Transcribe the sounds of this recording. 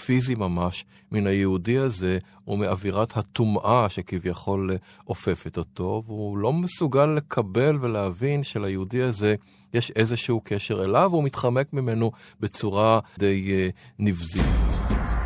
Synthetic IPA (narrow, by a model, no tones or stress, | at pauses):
fizimamaʃ | minajeudihaze̞ | umeaviʁathat̪umʔaʃekivjaχo̞lʔofe̞fetoto̞vulo̞mesuɡalːe̞kʰabe̞lvelehavinʃelajeudiaze̞ | jeʃe̞zeʃuukʰeʃe̞ʁelavumitχame̞kmime̞nobe̞t͡suʁade̞jnifzit